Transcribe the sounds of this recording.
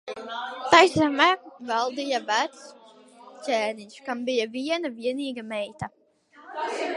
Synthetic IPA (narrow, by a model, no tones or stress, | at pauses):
t̪ajsamɛːvalˠd̪ijavæt̪sʲ | ɛːniɲʲʃkambijavʲiɛnavʲiɛniːɡamɛjt̪a